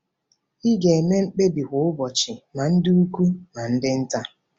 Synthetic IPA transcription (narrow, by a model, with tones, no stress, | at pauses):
i˦ɡe˨e˨me˦ŋ͡m̩˦k͡pe˦bi˨ɦʊ˨˦ʊ˦bɔ˨t͡ʃɪ˨na˨n̩˦dɪ˦u˦ku˦na˨n̩˦dɪ˦n̩˦ta˦